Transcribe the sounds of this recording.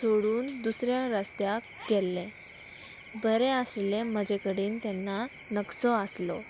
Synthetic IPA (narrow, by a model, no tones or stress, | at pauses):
soɽuːnd̪usɾjaɾast̪jak | ɡelːẽ | bəɾeəslem̤əd͡ʑekəɽiːnt̪ɛnːa | nəksɔəslɔ